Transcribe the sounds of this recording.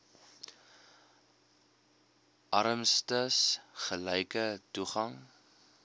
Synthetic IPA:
ʔɐɾəmstəsχəlɛjkətuχɐŋ

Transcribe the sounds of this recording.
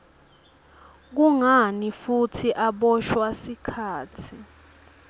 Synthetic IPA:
k̬uŋanifutʰiʔaɓɔʃwasikʰaːtʰi

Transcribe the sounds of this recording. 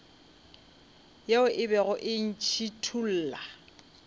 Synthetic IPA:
jeʊʔɪbɛɣʊʔɪn̩t͡ʃʰitʰul̩ːla

